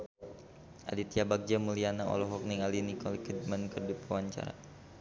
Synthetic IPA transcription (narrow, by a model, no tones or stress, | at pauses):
ʔa̰dit̪iabak̚d͡ʒamulianaɔ̰lɔɦɔk̚niŋalinikɔlikədmankərdipawaɲt͡ʃa̰ɾa̰